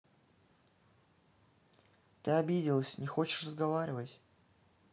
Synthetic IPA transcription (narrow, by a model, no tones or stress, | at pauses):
t̪ɨɐbʲidʲɪlˠəsʲnʲɪxot͡ɕɪ̥ʂrəzɡɐvaɾʲɪvətʲ